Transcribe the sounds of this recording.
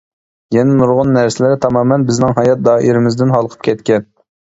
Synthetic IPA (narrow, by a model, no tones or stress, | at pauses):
jɛnɪmuɾʁʊnːæɾsɪlɪɾɪt̪ʰɑmɑːmɛnbɪznɪŋɦɑjɑt̪̚d̪ɑːʔiɾɪmɪzd̪ɪnɦɑlˠqʰə̥p̚kʲʰɛt̪kʲɛn